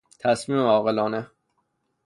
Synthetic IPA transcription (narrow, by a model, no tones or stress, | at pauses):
t̪ʰæsmiːmeɒːɣelɒːne